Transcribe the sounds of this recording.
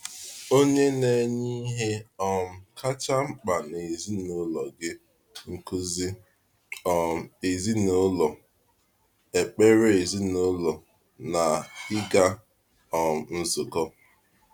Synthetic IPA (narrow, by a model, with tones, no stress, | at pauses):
o˦ɲe˦ne˨ɲi˦ɦe˦ɔ˨m̩˦˨kʰa˦t͡ʃa˦ŋ͡m̩˦k͡pa˨ne˨zi˦no˦lɔ˨ɡɪ˦ | ŋ̩˨kʊ˦zi˦ | ɔ˨e˨zi˦no˦lɔ˨ | e˨k͡pe˦ɾe˨zi˦no˦lɔ˨ | na˨hɪ˦ɡa˦ | ɔ˨m̩˨n̩˦zʊ˨ɡɔ˦